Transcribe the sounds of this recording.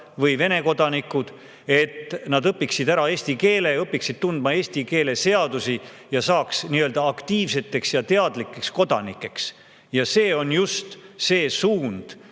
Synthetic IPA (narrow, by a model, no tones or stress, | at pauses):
vɤjve̞ne̞ko̞d̪̥ɑnikːˑud̪̥ | e̞t̪nɑd̪ɤpːiksid̪æɾɑe̞ːsʲt̪ike̞ːleɤpːˑiksid̪̥̚t̪und̪̥̚mɑe̞ːsʲt̪ike̞ːle̞se̞ɑd̪usi | jɑsɑːksniːøːld̪ɑːkt̪iːvse̞t̪ːˑe̞ksjɑt̪e̞ɑd̪likːˑe̞ksko̞d̪̥ɑnikːˑe̞ks | jɑse̞ːo̞njust̪se̞ːsuːnd̪̥